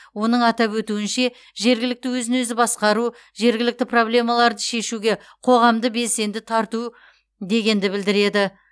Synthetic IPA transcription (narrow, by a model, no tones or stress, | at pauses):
wo̞nəɴɑt̪ɑpwɵt̪uɪnʃe̞ | ʒe̞ɾɡʲɪlɪk̚t̪ɪwɵzɪnɵzɪbɑsqɑɾu | ʒe̞ɾɡʲɪlɪk̚t̪ɪpro̞blʲe̞mɑlˠɑɾd̪əʃe̞ʃuɡʲe̞ | qʰo̞ʁɑmd̪əbe̞lse̞nd̪ɪt̪ʰɑɾt̪u | d̪e̞ɡʲe̞nd̪ɪbɪld̪ɪɾe̞d̪ɪ